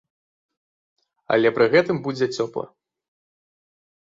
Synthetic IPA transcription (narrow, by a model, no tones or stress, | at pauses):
ɐ̰lʲɛpɾɨɣɛt̪ɨmbud͡zʲɛt͡sʲɔplˠɐ̰